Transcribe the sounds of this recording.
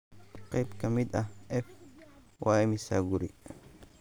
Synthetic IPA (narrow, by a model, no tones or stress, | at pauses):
qɑjbkʰɐmɪd̪ɐhʔɛf | wʔɑːɛmɪsa̰ːɡʊɾi